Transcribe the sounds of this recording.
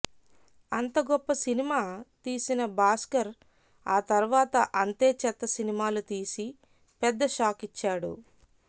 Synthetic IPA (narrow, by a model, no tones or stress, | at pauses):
ɐnt̪ɐɡɔpːɐsinimaːt̪iːsinɐbaːskɐɾ | aːt̪ɐɾuʋaːt̪ɐʔɐnt̪eːt͡ʃɛt̪ːɐsinimaːlut̪iːsi | pɛd̪ːɐʃaːkit͡ʃːaːɽṵ